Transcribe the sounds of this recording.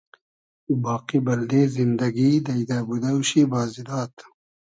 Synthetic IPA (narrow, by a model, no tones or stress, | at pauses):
ubɑːqibɐld̪eːzind̪ɐɡid̪ɐjd̪abud̪ɐwɕibaːzilɑːt̪